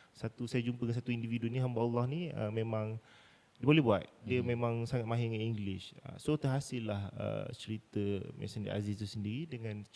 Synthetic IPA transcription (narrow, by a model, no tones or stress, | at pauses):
sat̪usajad͡ʒumpəəŋasat̪uindividunĩɦambaulːɔhnĩə̰mẽmãŋ | diəbolɛhbuat̪̚diəmẽmãŋsaŋat̪̚mãɦiŋaniŋɡlɪʃə̰sot̪əɦasɪlːahə̰t͡ʃəɾit̪əma̰sandḭʔa̰zɪst̪usəndiɾidəŋãn